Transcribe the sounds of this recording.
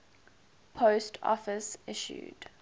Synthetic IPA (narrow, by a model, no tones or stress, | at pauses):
pʰostʰɔ̰fəsɪʃṵd̥